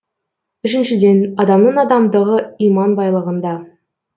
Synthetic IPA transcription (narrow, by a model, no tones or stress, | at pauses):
ʏʃɪnʃɪd̪e̞nɑd̪ɑmnəɴɑd̪ɑmd̪əʁəijmɑnbɑjlˠəʁənd̪ɑ